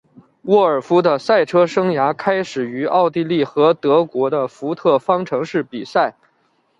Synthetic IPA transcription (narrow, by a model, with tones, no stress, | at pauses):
wɔ˥˩ə˞˨˩fu˥d̪ə˨sa˥˩ɪʈ͡ʂʰɤ˥ʂɤ˥ŋja˧˥kʰa˥ɪʂɻ̩˨˩y˧˥ɑ˥˧ʊt̪i˥˧li˥˩xɤ˧˥t̪ɤ˧˥kwɔ˧˥d̪ə˧fu˧˥t̪ʰɤ˥˩fɑ˥ŋʈ͡ʂʰɤ˧˥ŋʂɻ̩˥˩pi˨˩sa˥˩ɪ